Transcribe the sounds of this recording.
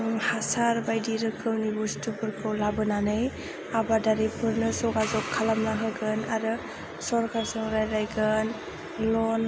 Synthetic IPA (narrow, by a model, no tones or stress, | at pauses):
hasaɾbajdiɾɯkʰɯwnibustupʰɯɾkʰɯwlabɯnanaj | abadaɾipʰɯɾnɯsɔɡazɔkʰːalamnaɦɯɡɯnaɾɯ | sɔɾkʰasɔŋɾajɾajɡɯn | lɔn